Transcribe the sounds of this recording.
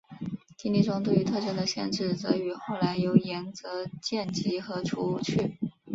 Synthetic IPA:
t̪ʰi˧˥nli˥˩ʈ͡ʂʊ˥ŋt̪we˥˩ɪy˧˥t̪ʰɤ˥˧ɕə˥d̪ə˧ɕjɛ̰˥˧nʈ͡ʂɻ̩˥˩t͡sɤ˧˥y˧˥xo˥˩ʊla˧˥ɪjo˧˥ʊjɛ˧˥nt͡sɤ˧˥t͡ɕjɛ˥˩nt͡ɕi˧˥xɤ˧˥ʈ͡ʂʰu˧˥u˧˥˩t͡ɕʰy˥˩

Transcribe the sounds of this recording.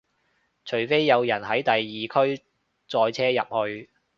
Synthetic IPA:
t͡ʃʰɵ˨˩ɥfe˥jːɐ˨˧wjɐ˨˩nɦɐ˨˥jt̪ɐ˨jːiː˨kʰɵ˥ɥ | t͡sɔː˧jt͡sʰɛː˥jɐ̰˨p̚hɵ˧ɥ

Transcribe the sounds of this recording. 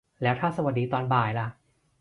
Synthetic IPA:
lɛː˦˥wt̪ʰaː˥˩sa˧wa˨t̪̚diː˧t̪ɔː˧nbaː˨˩jla˧˩

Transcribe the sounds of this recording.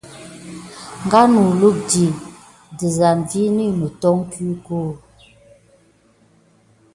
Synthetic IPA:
ŋ˨ɡa˦nu˨lu˦˨k̚di˨ | di˨za˨n˨vi˦ni˦nə˨tɔ˦ŋ˦kʰi˦ko˦˨

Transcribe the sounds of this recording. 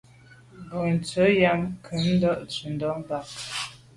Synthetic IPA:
bɔ˨n̩˨t͡sə˨˦ja˦mkʰə˨˦n̩˦dɔ˦ʔt͡sə˨n̩˨dɔ˦m˦ba˨k̚

